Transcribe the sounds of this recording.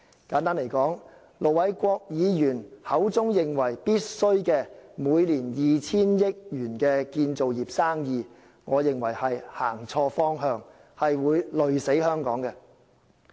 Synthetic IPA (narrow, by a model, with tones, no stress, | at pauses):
kaː˨˥nt̪aː˥nle˨˩jkɔː˨˥ŋ | lo˨wɐ˨˥jkʷɔː˧k̚jiː˨˧jyː˨˩nhɐ˨˥wt͡sʊ˥ŋjɪ˨ŋwɐ˨˩jpiː˥t̚sɵ˥ɥkɛː˧muː˨˧jliː˨˩njiː˨t͡sʰiː˥njɪ˥k̚jyː˨˩nkɛː˧kiː˧nt͡so˨wjiː˨p̚saː˥ŋjiː˧ | ŋɔː˨˧jɪ˨ŋwɐ˨˩jhɐ˨jhaː˨˩ŋt͡sʰɔː˧fɔː˥ŋɦœː˧ŋ | hɐ˨jwuː˨˧jlɵ˨ɥse˨˥jhœː˥ŋkɔː˨˥ŋkɛ˧